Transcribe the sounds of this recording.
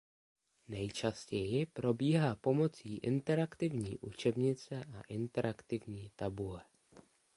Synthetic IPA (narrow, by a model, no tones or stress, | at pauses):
nɛjt͡ʃascɛjɪpɾo̞biːɦaːpo̞mo̞t͡siːʔɪnt̪ɛɾakt̪ɪvɲḭːʔut͡ʃɛbɲɪt͡sɛʔaʔɪnt̪ɛɾʔakt̪ɪvɲiːt̪abulɛ